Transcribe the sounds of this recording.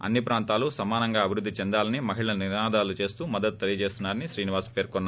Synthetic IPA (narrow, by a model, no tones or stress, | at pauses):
ɐ̰nːipɾaːnt̪aːlusɐmaːnɐŋɡaːɐbʱiɾud̪ːit͡ʃɛnd̪aːlɐnimɐɦiɭɐniɾnaːd̪aːlut͡ʃe̞ːst̪uːmɐd̪ːɐt̪ut̪ːelijɐt͡ʃe̞ːst̪unːaːɾɐniʃɾiːniʋaːspeːɾkɔnːa